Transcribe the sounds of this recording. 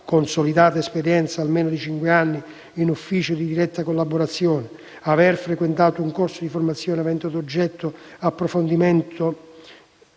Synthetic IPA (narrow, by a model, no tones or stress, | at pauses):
konsolid̪aːt̪aespeɾjɛnt̪saːlmeːnʊd̪it͡ʃiŋkweanːiː | nufːiːt͡ʃʊd̪id̪iɾɛt̪ːakolːaboɾat̪sːjoːnɪ | avɛrfɾekwent̪aːt̪ʊuŋkorsʊd̪iformat̪sːjɔːnavɛnt̪od̪od͡ʒːɛt̪ʰːʊapːɾofond̪imɛnt̪ʰʊ